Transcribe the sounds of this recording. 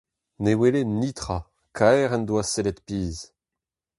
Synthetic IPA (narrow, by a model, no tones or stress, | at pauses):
newelenit̪χa | kʰaɛʁɛnd̪waselɛt̪piːz